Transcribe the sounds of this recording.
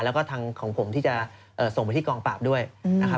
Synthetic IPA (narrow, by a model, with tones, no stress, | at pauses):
lɛ˦˥wkɔː˥˩t̪ʰaː˧ŋkʰɔː˩˦ŋpʰo˩˦mt̪ʰiː˥˩t͡ɕa˨˩ | ʔɤː˨˩so˨˩ŋpa˧t̪i˥˩kɔː˧ŋpaː˨˩p̚du˥˩əjna˦kʰa˦˥